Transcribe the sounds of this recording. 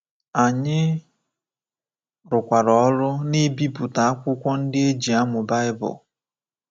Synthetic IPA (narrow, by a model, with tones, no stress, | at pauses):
a˨ɲɪ˦ | ɾʊ˨kʷa˨ɾɔ˨˦ɾʊ˦ni˦bi˦pu˨ta˨a˦kʷʊ˦kʷɔ˦n̩˦dɪ˦e˦d͡ʒi˨a˦mʊ˨ba˦ɪ˦bʊ̰˨l